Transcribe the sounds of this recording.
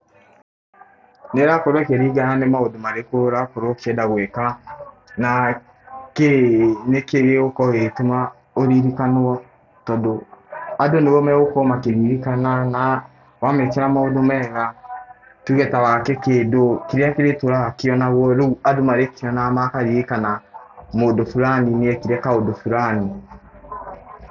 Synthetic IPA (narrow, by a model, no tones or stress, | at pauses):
neɾakoɾwɔkeɾiɡananemaodomaɾekoɾakoɾokɛdaɣweka | na | kenekeɣeokɔɣetoma | oɾiɾikanoa | tɔdoadonewomɛɣokomakeɾiɾikanana | wamekɛɾamaodomɛːɣa | tuɣɛtawakɛkeːdokiɾeakeɾetoɾaakeɔnaβwɔɾouadomaɾekiɔnamakaɾiɾekanamodofuɾanineɛkiɾɛkaodofuɾani